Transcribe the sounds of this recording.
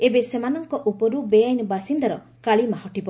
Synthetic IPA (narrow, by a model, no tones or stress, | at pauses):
ebesemanɔŋkɔʔupɔɾubejajnɔbasind̪aɾɔ | kaɭimahɔʈibɔ